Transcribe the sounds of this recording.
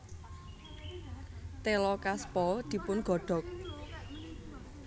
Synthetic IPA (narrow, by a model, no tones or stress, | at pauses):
t̪elɔkaspɔld̪̥i̤pʊnɡ̥ɔ̤ɖ̥ɔ̤k̚